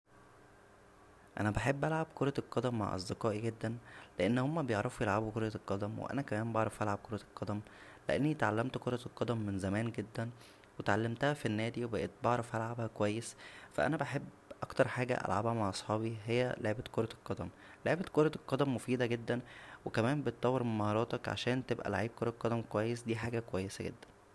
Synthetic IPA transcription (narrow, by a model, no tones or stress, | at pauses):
ʔænæbeħebːʔælʕabkoɾˤɑlqːɑd̪æmːa̰ʕʔɑ̰zˤd̪eqɑːʔiɡed̪ːænleʔenːhomːæbejeʕɾˤɑfujelʕabukoɾjælqːɑd̪æmwḛʔæ̰nækæmæːnbɑʕɾˤɑfʔælʕab̚koɾˤɑlqɑd̪æm | leʔenːit̪ʕalːæmt̪koɾˤɑlqːɑd̪æmːenzæmæːnɡed̪ːæn | wet̪ʕalːæmt̪æhæfinːæːd̪iwebæʔet̪̚bɑʕɾˤɑfʔælʕabhækowæjːesfæ̰ʔænæbeħebː | ʔɑkt̪ɑɾˤħaːɡæ̰ʔæ̰lʕa̰bhæmaʕʔɑsˤħɑːbiɦejːæleʕebæt̪koɾˤɑlqɑd̪æm | leʕebæt̪koɾˤɑlqɑd̪æmːofiːd̪æɡed̪ːænwekæmæːmbet̪̚ˤːɑwːeɾmenmɑhɑːɾˤɑːt̪ˤɑkʕa̰ʃæːnt̪ebʔæ̰la̰ʕiːb̚koɾˤɑlqːɑd̪æmkowæjːesd̪iːħaːɡækowæjːesæɡḛd̪ːæn